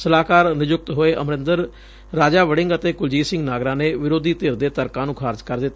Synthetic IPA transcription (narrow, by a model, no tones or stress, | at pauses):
səlaːkaːɾnɪd͡ʒʊk̚t̪ɦoːeːʔəmɾɪ̃nd̪əɾː | aːd͡ʒaːʋəɽɪ̃ŋɡət̪eːkʊld͡ʒiːsɪ̃ŋɡnaːɡɾãːneːʋɪɾoːd̪iːt̪eːɾd̪eːt̪əɾkãːnũːkʰaːɾd͡ʒkəɾd̪ɪt̪ː